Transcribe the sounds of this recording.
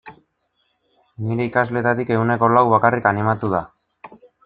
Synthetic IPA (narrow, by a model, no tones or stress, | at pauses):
niɾe̞ikazle̞t̪at̪ike̞ɣune̞ko̞lawβakarikanimat̪uð̞a